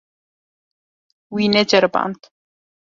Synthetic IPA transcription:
winɛd͡ʒɛɾba̰nt̪

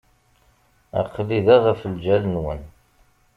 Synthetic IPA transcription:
æ̰qːliðæʁæfəld͡ʒælənwə̰n

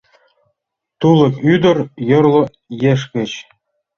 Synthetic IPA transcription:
t̪ulˠɤ̆kyd̪ɤ̆rjɤ̆rlˠɤ̆ | jeʂ̬kʲɘ̆t͡ɕ

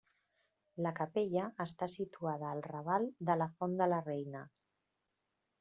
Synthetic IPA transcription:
ləkəpeʎəːst̪asit̪uað̞əːlˠrəβ̞ald̪ələfond̪ələrejnə

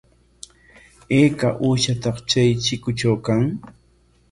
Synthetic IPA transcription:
eːkaʔuːʃat̪ɑχt͡ʃajt͡ʃɪkʊt͡ʃawkaŋ

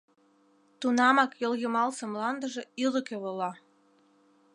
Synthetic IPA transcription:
t̪unɑmɑkjoljəmɑlsəmlɑnd̪əʒĕylə̆keβolɑ

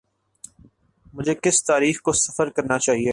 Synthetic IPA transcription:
mʊd͡ʒʱekɪst̪aːɾiːxkosɐfəɾkɐɾnat͡ʃaːɦie

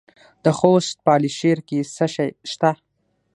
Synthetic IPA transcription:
d̪̥əxost̪̚pəɑliʃeɾkesəʃajʃt̪a

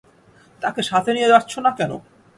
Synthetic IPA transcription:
t̪akeʃat̪ʰenijed̪aɾt͡ɕʰonakɛno̰

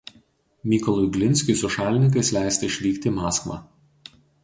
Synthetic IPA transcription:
mʲiːkɔlˠʊɪɡlʲɪnʲˑsʲkʲʊsʊʃɑːlʲɪnʲɪŋk̬ɐɪslʲæˑɪst̪ɐɪʃʲʋʲiːkʲt̪ʲimɑːskʋɑ̰ː

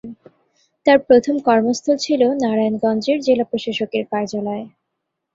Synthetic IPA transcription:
t̪aɾpɾot̪ʰomkɔɾmost̪ʰolt͡ɕʰilonaɾanɡɔnd͡ʑeɾd͡ʑelapɾoʃaʃokeɾkaɾd͡ʑalɔe

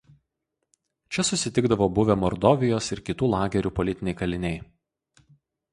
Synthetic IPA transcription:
t͡ʃʲɛsʊsʲɪt̪ʲɪɡd̪ɐʋoːbʊʋʲɛmɔɾd̪ɔːʋʲɪjoːsɪɾkʲɪt̪uːlˠɑːɡʲɛɾʲuːpɔlʲɪt̪ʲɪnʲɛɪkɐlʲɪnʲɛɪ

